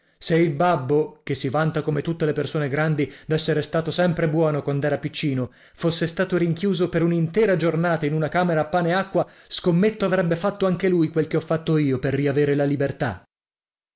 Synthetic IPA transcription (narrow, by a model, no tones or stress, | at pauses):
seilbabːok̟esːivant̪akomet̪ut̪ːelepersoːneɡɾand̪id̪ɛsːeɾest̪aːt̪osɛmpɾebwɔːnokwand̪ɛːɾapit͡ʃːiːno | fosːest̪aːt̪oɾiŋkjuːzopeɾunint̪ɛːɾad͡ʒornaːt̪ainunakaːmeɾaːpːaːneakːwa | skomːet̪ːoavɾɛbːefat̪ːoaŋkelujkwelkeɔfːat̪ːoiːoperːiaveːɾelalibert̪a̰